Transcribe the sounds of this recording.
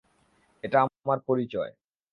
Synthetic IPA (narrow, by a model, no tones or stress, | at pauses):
eʈaamaɾpoɾit͡ɕɔe